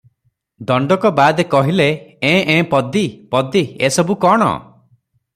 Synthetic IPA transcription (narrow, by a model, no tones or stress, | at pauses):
d̪ɔɳɖɔkɔbad̪ekɔɦileẽʔẽpɔd̪ipɔd̪iḛsɔbukɔɽ̃ɔ̰